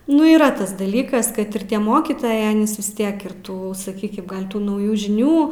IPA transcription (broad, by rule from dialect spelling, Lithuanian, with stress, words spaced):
ˈnʊ iːˈrɐ ˈtɐs dɐˈlʲiːkɐs ˈkɐt ɪr ˈtʲiɛ ˈmoːkʲiːtoːjɛɪ ˈɑːnʲiːs ʋʲɪs ˈtʲiɛk ɪr ˈtuː sɐˈkʲiːkʲɪm ˈɡɐlʲ ˈtuː nɐʊˈjuː ʒʲɪˈnʲuː